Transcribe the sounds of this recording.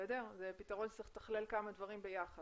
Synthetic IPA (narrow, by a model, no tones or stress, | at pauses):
edezepit̪aʁo̞nʃt͡sʁiχt̪ḁχlelkamad̪vaʁimbe̞jaχa